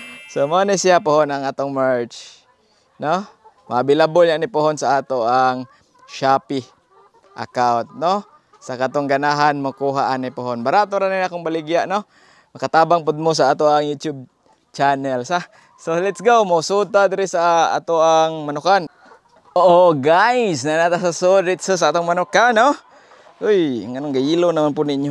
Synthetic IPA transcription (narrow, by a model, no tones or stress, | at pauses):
somonɛsijapʊhonaŋaːt̪oŋmaɹt͡ʃ | nomaabɪlabʊlɲaʔnipʊɦonsaat̪oʔaŋ | ʃapi | ʔa̰kawnt̪̚no | sakat̪oŋɡanaɦanmokuɦaʔanipʊɦonbaɾat̪oɾaninakoŋbalɪɡjaʔno | mɐkat̪aːbaŋpʊd̪̚mos̬aat̪oʔaŋjut̪jub̚ | t͡ʃanɛlsa | solɛt̪sɡowmaʊsut̪ad̪ɪɾɪsaa̰t̪oʔaŋmanʊkan | ʔoʔoɡajsnanat̪asasodɾɛt̪sos̬aat̪oŋmanʊkano | ʔʊjŋanoŋɡailonamanpʊd̪niɲo